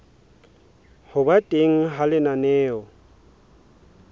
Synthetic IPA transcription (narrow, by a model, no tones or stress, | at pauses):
hʊbatʼeŋ̩ɦalɪnanɛːɔ